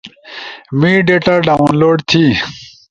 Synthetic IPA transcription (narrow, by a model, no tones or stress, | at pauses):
mĩːɖeʈaɖaːunloːɖt̪ʰi